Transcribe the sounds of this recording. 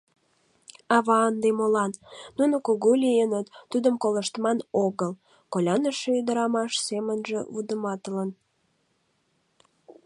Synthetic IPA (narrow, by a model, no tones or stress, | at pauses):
ɑβɑənd̪emolɑnːunokoɣolʲijenət̪ːud̪əmkoləʃt̪mɑnoɣəl | kolʲɑnəʃeyd̪əɾɑmɑʃsemənʒḛβud̪əmɑt̪ələn